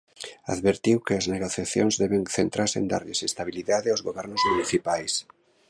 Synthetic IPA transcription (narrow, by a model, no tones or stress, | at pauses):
a̰ðβeɾt̪iwkɪazneɣoθjaθjonzðɛβeŋθent̪ɾaɾseḛnd̪a̰ɾðesest̪aβiliðaðɪawzɣoβɛɾnozmuniθipajs